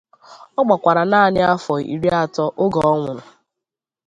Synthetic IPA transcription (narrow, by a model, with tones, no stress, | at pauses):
ɔ˦ɡ͡ba˨kʷa˨ɾa˨na˦˨ɲɪ˦a˦fɔ˨ḭ˨ɾi˦a˦tɔ˦ʔo˦ɡɔ˨ɔ˦ŋʷʊ˨ɾʊ˨